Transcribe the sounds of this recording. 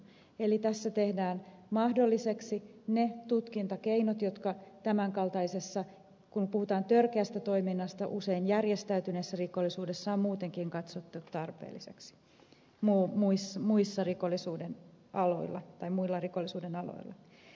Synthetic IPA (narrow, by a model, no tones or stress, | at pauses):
elit̪æsːæt̪e̞hdæːnmɑhdolːise̞ksinet̪ut̪kint̪ɑkeinot̪jot̪kɑt̪æmæŋkɑlt̪ɑise̞sːɑ | kumpuhut̪ɑːnt̪ørkeæst̪æt̪o̞iminːɑst̪ɑʔuse̞injærjest̪æyt̪ynesːærikolːisuːdesːɑːmmuːt̪eŋkiŋkɑt̪sot̪ːuut̪t̪ɑrpḛːlːise̞̰ksi̥ | muːmuismuisːɑrikolːisuːdenɑlo̞̰ilːɑ̰t̪ɑimuilːɑrikolːˑisuːdenɑlo̰ilːɑ̰